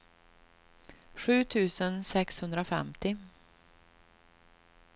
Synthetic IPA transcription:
ɧʉ̟ːt̪ʰʉ̟ːsənsɛkshɵnd̪ɾaofɛ̰mt̪ɪ

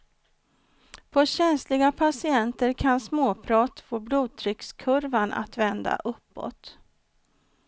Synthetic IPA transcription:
pʰɔɕɛnslɪɡapʰasɪɛnt̪əɾkʰansmoːpʰɾɑːt̪foːbluːd̪̚t̪ʰɾʏkskʰɵɾvanʔa̰t̪vɛnd̪a̰ʔɵpːɔ̰t̪

